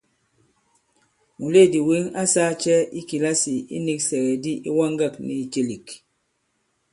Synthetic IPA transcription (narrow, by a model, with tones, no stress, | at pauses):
mu˨le˦˨di˨wi˦ŋa˦sa˦t͡ʃɛ˦i˦ki˨la˦si˨ḭ˦ni˦ksɛ˨ɣɛ˨di˦ʔi˦wa˦ŋɡa˦˨kni˨t͡ʃe˦li˨k